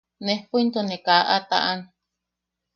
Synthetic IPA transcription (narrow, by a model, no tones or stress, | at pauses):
nehpuint̪onekaʔat̪a̰ʔan